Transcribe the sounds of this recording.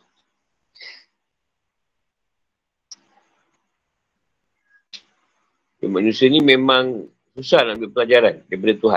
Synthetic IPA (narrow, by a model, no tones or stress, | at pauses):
damanũsianimẽmãŋ | susahnabɪpəlad͡ʒaɾandajpadat̪uɦa̰